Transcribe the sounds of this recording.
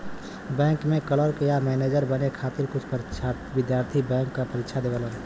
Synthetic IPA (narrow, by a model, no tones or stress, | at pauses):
bɛ̃ːŋkmẽkələɾkjamɛːneːd͡ʒəɾbənekʰaːt̪ɪɾkʊt͡ʃʰpəɾt͡ʃʰa | ʋɪd̪jaːɾt̪ʰibɛ̃ːŋkːapəɾikʃʰad̪eːʋələn